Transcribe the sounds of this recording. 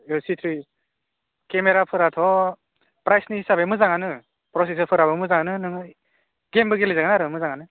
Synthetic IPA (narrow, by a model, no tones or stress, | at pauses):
esitʰɾi | kemeɾapʰɯɾatʰɔ | pɾajsniisabemɯzaŋanɯ | pɾɔs̬is̬əɾpʰɯɾabɯmɯzaŋanɯnɯŋ | ɡembɯɡelɯzaɡɯnaɾɯmɯzaŋanɯ